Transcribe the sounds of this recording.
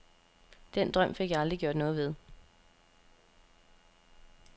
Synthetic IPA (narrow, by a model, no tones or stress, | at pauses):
d̥en̰d̥ʁɶm̰fe̝ɡ̥jɑ̈ɑ̈ld̥ʁiɡ̥jo̝ɐd̥nɔ̽ːð̞ˠʋe̝ð̞ˠ